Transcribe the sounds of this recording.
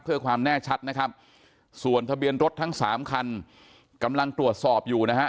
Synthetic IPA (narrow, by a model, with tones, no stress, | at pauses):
pʰːɯ˥˩əkʰwaː˧mnɛː˥˩t͡ɕʰa˦˥t̪̚na˦˥kʰa˦˥p̚ | su˨˩ənt̪ʰa˧bi˧ənɾo˦˥t̪ʰːa˦˥ŋsaː˩˦mkʰa˧n | ka˧mla˧ŋt̪ɾu˨˩ət̪̚sɔː˨˩p̚juː˨˩na˦˥ɦa˦˥